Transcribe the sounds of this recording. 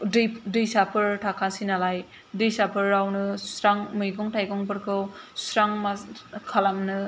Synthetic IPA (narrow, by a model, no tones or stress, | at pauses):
dɯdɯjsapʰɯɾtʰakʰansinalaj | dɯjsapʰɯɾːawnɯsɾaŋmɯjɡɔŋtajɡɔŋpɯɾkʰɯw | sɾaŋmakʰalamnɯ